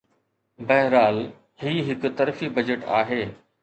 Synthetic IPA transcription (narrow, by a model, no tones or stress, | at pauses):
bɐɦɾaːl | ɦiːɦɪkt̪ɐɾfibɐd͡ʑeʈa̰ːɦeː